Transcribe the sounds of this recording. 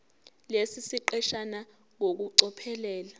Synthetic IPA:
lesisiǃɛʃana | ŋok̬uǀɔpʰɛlɛːla

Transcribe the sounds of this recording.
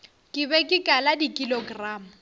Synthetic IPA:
kʼɪbɛkʼɪkʼaladikʼiloɡraːmʊ

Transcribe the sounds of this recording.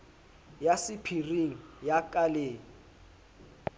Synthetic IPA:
jasɪpʰiriŋ̩jakʼaleːŋ̩

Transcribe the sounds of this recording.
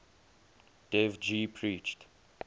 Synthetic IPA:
d̥ɛvd͡ʒipʰɹit͡ʃt

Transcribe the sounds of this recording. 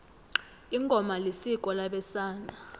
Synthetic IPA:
iŋɡʱɔmalesikʼɔlaɓɛsaːna

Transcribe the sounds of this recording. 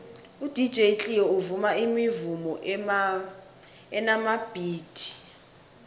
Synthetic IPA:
ud̥ʱi̥d͡ʒʱejt͡ɬʼiɔuvumaimivumɔ | ɛnamab̥ʱiːd̥ʱi̥

